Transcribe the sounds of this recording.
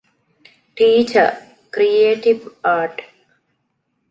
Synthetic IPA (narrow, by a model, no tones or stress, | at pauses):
ʈiːt͡ʃəɾ | kɾieːʈiʋaːɾʈ